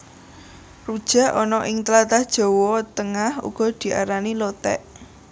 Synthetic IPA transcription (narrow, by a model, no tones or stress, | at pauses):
rud̥ʒ̥ä̤ʔɔnɔʔɪŋt̪əlat̪ahd̥ʒ̥ɔ̤wɔt̪əŋahṵɡ̥ɔ̤d̪̥i̤ʔa̰ɾanilɔt̪ɛ̰ʔ